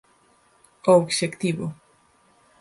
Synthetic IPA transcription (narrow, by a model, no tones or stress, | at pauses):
oːɡʃekt̪iβo